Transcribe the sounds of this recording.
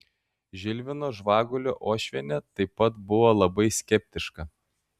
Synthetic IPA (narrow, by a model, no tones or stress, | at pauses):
ʒʲɪlʲʋʲɪnoːʒʋɑːɡʊlʲoːʔoːʃʲʋʲɛnʲɛt̪ɐɪpːɐt̪bʊʋoːlˠɐbɐɪsʲkʲɛpʲt̪ʲɪʃkɐ